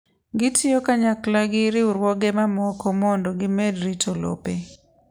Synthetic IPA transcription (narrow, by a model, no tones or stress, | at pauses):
ɡɪtʰɪokaɲaklaɡɪɾɪʊɾwɔɡɛmamɔkɔmɔndɔɡɪmɛdɾitolo̰pe